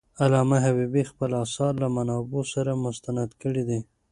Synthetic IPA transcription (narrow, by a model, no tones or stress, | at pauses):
alɑmaɦabibixpəlɑsɑɾlamanɑbosaɾamʊst̪anad̪kəɽid̪i